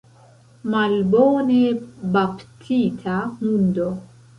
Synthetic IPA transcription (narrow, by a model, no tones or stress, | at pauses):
malboːnebapt̪ʰiːt̪ʰamund̪o